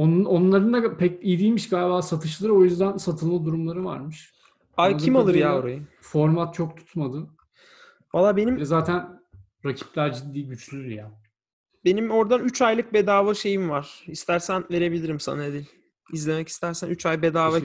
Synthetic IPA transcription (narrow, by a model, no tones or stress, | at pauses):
ononlˠaɾɯnd̪apʰɛc̚ijd̪ijmiʃɡaːlʲbaːsat̪ʰɯʃlˠaɾɯo̞jyzd̪ænsat̪ʰɯlˠmad̪uɾumlˠaɾɯva̰ɾmɯʃ | acʰimalˠɯɾjaːo̞ɾajɯfo̞ɾmat̪̚t͡ʃʰok̚t̪ʰu̥t̪mad̪ɯ | valˠːaːbe̞nimɛzaːt̪ʰæn | ɾacʰi̥plʲæɾd͡ʒid̪ːiːɟyt͡ʃlʲyjaː | be̞nimo̞ɾd̪anyt͡ʃʰajlˠɯk̚be̞d̪aːvaʃe̞jimvaɾ̥ist̪ʰæɾsænve̞ɾe̞bilʲiɾimsa̰naed̪ilʲ | izlʲe̞mɛci̥st̪ʰæɾsænyt͡ʃajbe̞d̪aːva